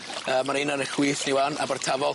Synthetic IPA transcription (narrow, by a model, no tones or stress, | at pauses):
əːmaɾinanəxwiːθniwana̰bərtʰavɔ